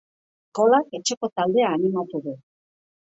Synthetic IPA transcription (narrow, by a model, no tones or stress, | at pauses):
ko̞lake̞t͡ʃeko̞t̪ald̪e̞aːnimat̪uðu